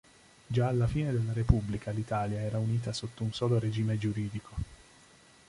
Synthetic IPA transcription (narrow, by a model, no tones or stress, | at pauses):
d͡ʒaːlːafiːned̪elːaɾepubːlikʰalit̪aːljaɛːɾauniːt̪asot̪ːounsɔːloɾed͡ʒiːmed͡ʒuɾiːd̪ikʰo